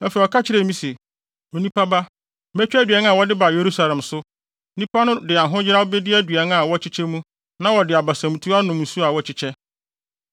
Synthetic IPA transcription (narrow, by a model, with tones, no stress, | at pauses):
ɛ̃˦fɛ˨ɔ˨kʰa˦t͡ɕʰɪ˦ɾɛ˨mĩ˦se˨ | o˨nĩ˦pʰa˦ba˦ | mæ˦t͡ɕᶣæ˦dɥɛ˦n˦a˨wɔ˦dɪ˦ba˨je˨ɾu˦sa˦lɛ̃˨msʊ˦ | nĩ˦pʰa˦nʊ̃˦dɪ˨a˨ɦʊ̃˦d͡ʑɪ˦ɾa˦o˦bɛ˦dɪ˦æ˦dɥɛ˨˦n˦ã˨wɔ˦t͡ɕʰɪ˦t͡ɕʰɛ˦mũ˦ | nã˦wɔ˨dɪ˨a˨ba˨sã˨mũ˨tʰu˦a˦nʊ̃˨m̃˨su˦a˨wɔ˦t͡ɕʰɪ˦t͡ɕʰɛ˦